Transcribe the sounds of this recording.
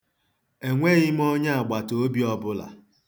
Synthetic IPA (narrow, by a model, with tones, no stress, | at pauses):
e˨ŋʷe˦ɣɪ˦m̩˦ɔ˦ɲa˦a˨ɡ͡ba˨to˦o˦bi˦ɔ˦bʊ˦la̰˨